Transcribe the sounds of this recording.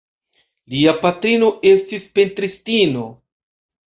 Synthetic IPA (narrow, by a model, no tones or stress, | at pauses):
liapatɾino̞ʔe̞stispe̞ntɾistino̞